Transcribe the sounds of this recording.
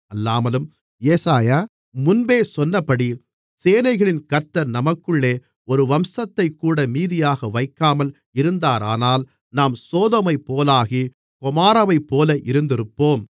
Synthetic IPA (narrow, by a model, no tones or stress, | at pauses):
ɐlːaːmɐlɯm | jɛsaːjaː | mʊnbeːsɔnːɐpːɐɽi | seːnɐɪɣɐɭɪnkɐɾt̪ːɐɾnɐmɐkːɯɭːeː | ɔɾɯʋɐmsɐt̪ːɐɪkːuːɽɐmiːðɪjaːɣɐʋɐɪkːaːmɐl | ɪɾɯnd̪aːɾaːnaːl | naːmsoːðɐmɐɪpːoːlaːɣi | kʊmaːɾɐʋɐɪpːoːlɐʔɪɾɯnd̪ɪɾɯpːoːm